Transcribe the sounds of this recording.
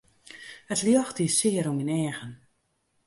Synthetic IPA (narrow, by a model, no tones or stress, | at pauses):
ətljɔxtisɪəɾuminɛːɣən